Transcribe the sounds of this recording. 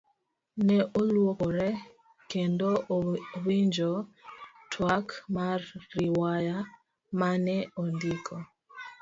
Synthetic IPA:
nɛʔolwokoɾɛ | kendowiɲd͡ʒotʰwakmarːiwaja | manɛondikʰɔ

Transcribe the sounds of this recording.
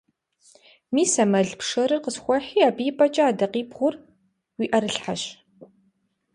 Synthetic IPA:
miːsɐmɐɮpʂɐɾɨrqəsxʷɔħiːaːbiːpʼɐt͡ʃʼɐaːdɐqiːbʁʷʊr | wiːʔɐɾɨɬħaɕ

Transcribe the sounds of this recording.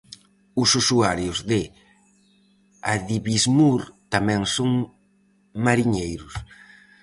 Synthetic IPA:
ʊsusuaɾjʊzðɪ | aðiβizmuɾt̪amɛ̃ŋsoŋ | maɾiɲejɾʊs

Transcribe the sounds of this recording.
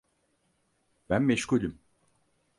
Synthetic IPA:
b̥ænmeʃkulʲim

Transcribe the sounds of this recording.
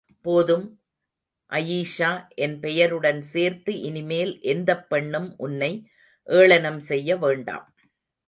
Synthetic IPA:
poːðɯm | ʔɐjiːʂaːʔɛnpɛjɐɾɯɽɐnseːɾt̪ɯʔɪnɪmeːlʔɛnd̪ɐpːɐɳːɯmʔʊnːɐɪ | ʔeːɭɐnɐmsɛjːɐʋeːɳɖa̰ːm

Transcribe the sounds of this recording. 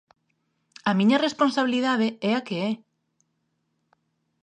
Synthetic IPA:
amĩɲɐresponsaβiliðaðeɛakeɛ

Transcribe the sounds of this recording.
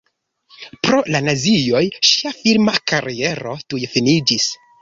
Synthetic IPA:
pɾo̞lanazijo̞jʃiafilmakaɾie̞ɾo̞tujefinid͡ʒis

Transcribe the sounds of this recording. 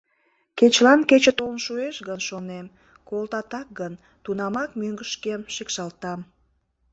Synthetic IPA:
ket͡ɕlɑnket͡ɕət̪olnʃueʃɣənʃonem | kolt̪ɑt̪ɑk̚ɡən | t̪unɑmɑkmyŋɡəʃkemʃekʃɑlt̪ɑm

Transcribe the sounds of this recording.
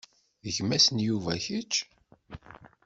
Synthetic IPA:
əʝmæsənjuvæçət͡ʃː

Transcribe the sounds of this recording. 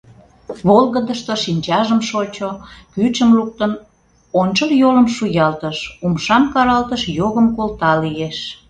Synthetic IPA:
βolɣəd̪əʃt̪oʃinʲt͡ɕɑʒəmʃot͡ɕokyt͡ɕəmluk̚t̪ən | onʲt͡ɕəljoləmʃujɑlt̪əʃumʃɑmkɑɾɑlt̪əʃjoɣəmkolt̪ɑlijeʃ

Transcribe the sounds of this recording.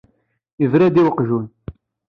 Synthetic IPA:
ivɾæd̪iwəqʒun

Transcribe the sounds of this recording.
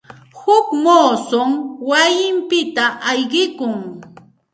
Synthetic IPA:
hʊkmoːsomwajɪmpɪt̪aʔajɢɪkʊŋ

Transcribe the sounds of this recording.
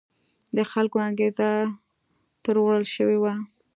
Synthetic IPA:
d̪əxalkoaɡeza | t̪əɾwɽəlʃəwewa

